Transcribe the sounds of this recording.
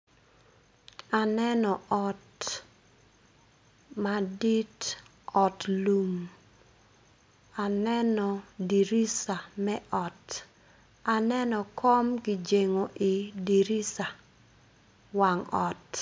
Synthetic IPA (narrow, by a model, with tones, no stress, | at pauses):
a˨nɛ˦nɔ˨ʔɔt | madi˦t | ɔ˨tlu˨m | a˨nɛ˦nɔ˨di˨ɾi˦sa˨mɛ˦ʔɔ˨t | a˨nɛ˦nɔ˨kɔ˦mɡi˨d͡ʒe˨ŋo˨ʔi˨di˨ɾi˦sa˨ | wa˨ŋɔ˨t